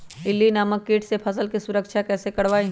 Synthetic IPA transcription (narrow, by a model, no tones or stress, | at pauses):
ɪlːinaːməkːeːʈsepʰɐsəlkisʊɾəkʃʰakɛːsekɐɽʋaːi